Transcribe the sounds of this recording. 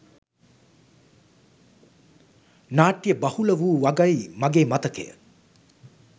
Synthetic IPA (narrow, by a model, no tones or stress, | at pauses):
naːʈːijəbɐhuləʋuːʋɐɡɐjmɐɡeːmɐt̪ɐkḛjə̰